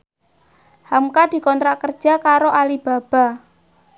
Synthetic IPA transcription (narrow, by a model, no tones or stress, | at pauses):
hamkad̪̥i̤kɔnt̪ɾaʔkərd̥ʒ̥a̤kaɾoʔalib̥a̤b̥a̤